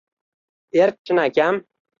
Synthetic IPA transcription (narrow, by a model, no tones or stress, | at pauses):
eɾ̚t͡ʃʰɪnakʲam